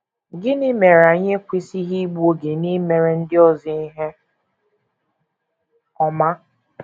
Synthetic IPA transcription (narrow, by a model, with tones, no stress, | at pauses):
ɡɪ˦nɪ˦me˨ɾa˨˦ɲe˦kʷi˦si˦ɦi˦ɡ͡bu˦o˦ɡe˨ni˦me˨ɾe˨n̩˦dɪ˦ɔ˨zi˦i˦ɦe˦ | ɔ˨ma˦